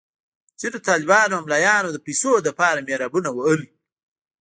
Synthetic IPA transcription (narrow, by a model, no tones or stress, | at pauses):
t͡ʃed̪ət̪ɑːlɪbɑːnoɦamlajɑːnod̪əpisod̪əpɑːɾameɾɑbunawaəli